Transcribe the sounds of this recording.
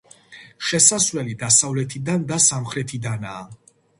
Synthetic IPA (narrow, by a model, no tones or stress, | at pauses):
ʃɛsasvlɛlid̪asavlɛt̪ʰid̪and̪asamχɾɛt̪ʰid̪anaː